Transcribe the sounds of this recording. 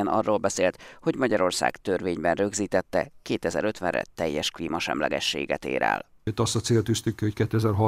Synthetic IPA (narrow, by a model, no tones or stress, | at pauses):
ɛnɒ̰rːoːlbɛseːlt̪ho̞ɟmɒɟɒɾo̞rsa̰ːkt̪ørʋeːɲbɛnrøɡziːt̪ɛt̪ːɛkeːt̪ɛzɛɾø̞t̪ʋɛnrɛ̰t̪ɛjːɛʃkliːmɒʃɛ̰mlɛɡɛʃːeːɡɛt̪ḛːɾɛ̰l | øt̪ːɒst̪ɒt̪seːlt̪yst̪ykːihockɛt̪ːyɛzɛrɦɒ